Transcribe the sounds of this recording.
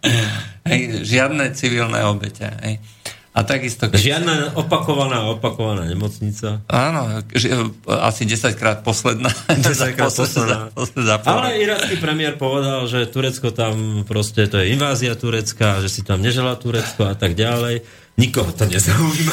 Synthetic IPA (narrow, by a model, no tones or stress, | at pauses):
ɦɛjʒɪad̪nɛt͡siʋilnɛ̰ɔbɛcɛ̰ɦɛ̰j | ʔat̪aɡist̪ɔʒɪad̪naɔpakɔʋanaːɔpakɔʋanaːɲɛmɔt͡sɲit͡saaːnɔʒa̰siɟɛsackɾaːt̪̚pɔslɛd̪naːɛsakasapɔszapalɛiɾaskipɾɛmɪɛɾpɔʋɛd̪alʒɛt̪uɾɛt͡skɔt̪ampɾɔscɛt̪ɔjɛinʋaːziat̪uɾɛt͡skaʒɛsit̪amɲɛʒɛlaːt̪uɾɛt͡skɔat̪aɡɟalɛj | ɲikɔɦɔt̪ɔɲɛzauima